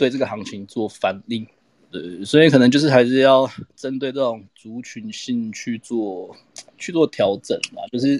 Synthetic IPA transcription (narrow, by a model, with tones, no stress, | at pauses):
we˥˧ɪʈ͡ʂə˥˩ɡə˨hɑ˧˥ŋt͡ɕʰi˧˥ŋt͡swɔ˥˩fa˧˥nli˥˩ | t̪we˥˩ɪswi˨˥kʰɤ˨nə˧˦t͡ɕjo˥˧ʊʂ̬̩˥˩a˧˥ɪʂɻ̩˥˧jɑ˥˩ʊʈ͡ʂə˦nt̪we˥˧ɪt͡sə˥˩ʊ˨˩ŋt͡su˨˥˦t͡ɕʰy˧˩nɕi˥˧ŋt͡ɕʰy˥˧t͡swɔ˥˩ | t͡ɕʰy˥˧t͡swɔ˥˩t̪ʰjɑ˨˧˥ʊʈ͡ʂə̰˨˩nma̰˨t͡ɕjo˥˧ʊʂ̬ɻ̩˥˩